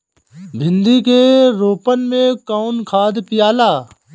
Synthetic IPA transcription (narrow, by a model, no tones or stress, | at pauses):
bʱɪ̃nd̪ikeɾoːpənmẽkaːʊnkʰaːd̪pɪjaːlaː